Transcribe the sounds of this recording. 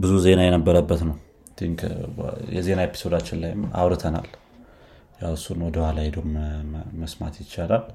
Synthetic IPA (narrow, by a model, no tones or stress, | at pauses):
bɨzuze̞najɛnəbːəɾəbːət̪nəw | d̪ʰiŋkʰjɛ̰ze̞naepʰːi̥so̞d̪at͡ʃːɪnlajma̰wɾɨt̪ʰəna̰l | jawɨsːunwɔd̪əhʷalajd̪əwumməsmat̪jɪt͡ʃːalal